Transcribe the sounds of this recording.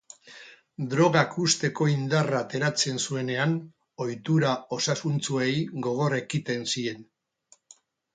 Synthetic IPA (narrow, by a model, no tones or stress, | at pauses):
d̪ɾo̞ɣ̞akust̪e̞ko̞ind̪arat̪e̞ɾat͡se̞nsue̞ne̞an | o̞jt̪uɾao̞sasunt͡suejɡo̞ɣ̞o̞rekit̪e̞nsie̞n